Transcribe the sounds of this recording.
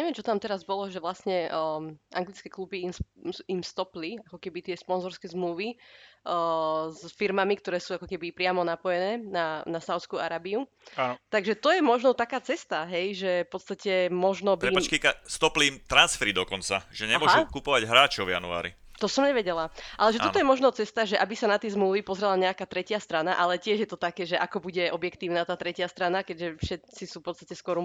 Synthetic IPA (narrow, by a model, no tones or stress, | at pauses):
ɲɛʋɛmt͡ʃɔt̪amt̪ɛɾazbɔlɔʒɛʋlasɲɛ | ʔaŋɡlit͡skɛklubiimsimst̪ɔpliakɔkɛbit̪ɪɛspɔnzɔɾskɛzmluʋi | zfiɾmamikt̪ɔɾɛːsuːakɔkɛbipɾɪamɔnapɔjɛnɛːnanasaʊtt͡skuːaɾaːbiu | at̪aɡʒɛt̪ɔjɛmɔʒnɔt̪akaːt͡sɛst̪aɦɛjʒɛfpɔt̪st̪acɛmɔʒnɔbiɛat͡ʃkikast̪ɔpliːmt̪ɾansfɛɾid̪ɔkɔnt͡saʒ̥ɛɲɛmʊɔʒukupɔʋaɟɦɾaːt͡ʃɔʊvja̰nṵa̰ːɾḭ | t̪ɔsɔmɲɛʋɛɟɛlaʔalɛʒɛt̪ɔɔjɛmɔʒnɔt͡sɛst̪aʒɛʔabisanat̪ɪɛzmluːʋipɔzɾɛlaɲɛakaːt̪ɾɛcɪast̪ɾanaʔalɛcɪɛʒjɛt̪ɔt̪akɛːʒɛʔakɔbuɟɛʔɔbjɛkt̪iːʊnat̪aːt̪ɾɛcɪast̪ɾanakɛɟʒɛfʃɛt͡sisufpɔt̪t͡sst̪acɛskɔɾum